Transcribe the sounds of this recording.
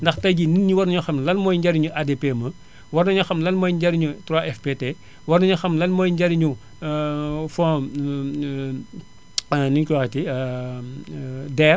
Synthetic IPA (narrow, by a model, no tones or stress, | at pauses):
ndɐxtɐjɟininːiwɐɾnɐɲuxɐmlɐnmɔjɲɟɐɾiɲuʔadepeːmɐ | wɐɾnɐɲuxɐmlɐnmɔːjɟɐɾiɲutɾaʔɛfpete | wɐɾnɐɲuxɐmlɐnmɔjɲɟɐɾiɲu | fɔ̃ | ninkuwɐxɐti | dɛːr